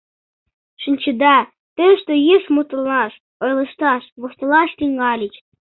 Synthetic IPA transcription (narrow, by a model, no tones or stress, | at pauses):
ʃənʲt͡ɕə̆d̪ɑ | t̪əʃt̪ojəʃmut̪ulnɑʃ | ojlˠɤ̆ʃt̪ɑʃβoʃt̪ɤlɑʃt̪iŋɡɑlʲit͡ɕ